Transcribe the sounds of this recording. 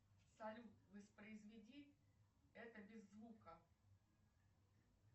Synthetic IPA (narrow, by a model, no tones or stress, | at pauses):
sɐlʲut̪vəspɾəɪzvʲɪdʲi | ɛt̪əbʲɪzːvukə